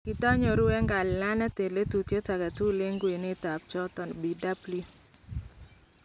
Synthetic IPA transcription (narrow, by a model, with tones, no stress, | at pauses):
kɪ˨dɔ˦ɲɔ˨ɾʊ˦ɛ˦ŋɡa˨lɪ˨la˦na˦te˨le˦tu˨t̪je˦ta˨ɡa˨tu˦le˦ŋɡwe˨nɪ˦ta˨p̚t͡ʃɔ˦t̪ɔ˨nbi˨da˦pli˦